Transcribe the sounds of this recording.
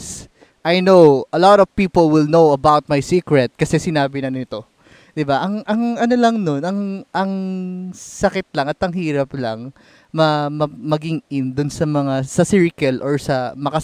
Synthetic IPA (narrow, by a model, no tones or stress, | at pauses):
s | ʔajnowʔɐlɔt̪ɔv̥piːpolwɪlnowɐbawt̪̚majsiːkɹɛt̪̚kɐsɛsɪnaːbɪnɐnnɪt̪o̞ | d̪ɪbaʔɐŋʔɐŋʔɐnolɐŋno̞nɐŋʔɐŋ | sɐkɪt̪̚lɐŋɐt̪ɐŋhiːɾɐplɐŋ | mɐmɐmɐɡɪŋʔɪnd̪ʊnsɐmɐŋasɐsɪɹɪkɛlʔɔɹsɐmɐkɐ